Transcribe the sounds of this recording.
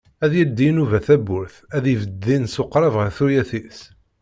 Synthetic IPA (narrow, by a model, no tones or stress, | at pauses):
æðjəld̪ːinuvæθæbʊɾθæðivəd̪ːinsoqːɾˤɑvʁəɾθujæθis